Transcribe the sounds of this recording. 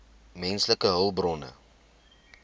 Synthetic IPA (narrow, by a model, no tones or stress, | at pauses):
mɛnsləkəɦəlˠbrɔnə̰